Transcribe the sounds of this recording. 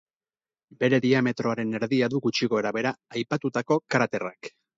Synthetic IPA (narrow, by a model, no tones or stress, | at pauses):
be̞ɾe̞ðiame̞t̪ɾo̞aɾe̞ne̞ɾðiaðuɣut͡ʃiɣo̞e̞ɾaβe̞ɾaajpat̪ut̪ako̞kaɾat̪e̞rak